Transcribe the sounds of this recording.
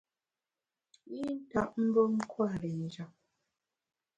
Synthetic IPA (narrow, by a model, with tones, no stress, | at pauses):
i˦n̩˦ta˨ʔm̩˦bə˦ŋ̩˦kʰwa˦˨ɾe˨n̩˨˦d͡ʒa˨k̚